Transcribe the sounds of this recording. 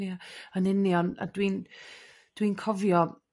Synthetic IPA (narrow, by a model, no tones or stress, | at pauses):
iaɔnɪniɔna̰dwin | d̥winkʰɔvjɔ